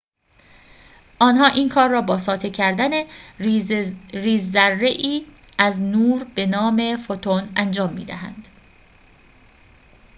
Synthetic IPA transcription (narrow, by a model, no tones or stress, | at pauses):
ʔɒːnɦɒːʔiːnkʰɒːɾːɒːbɒːsɒːt̪ʰecʰæɾd̪æne | riːzːærːeʔiː | ʔæznuːɾbe̞nɒːme̞fot̪ʰonænd͡ʒɒːmːiːd̪æɦæ̰nd̪̥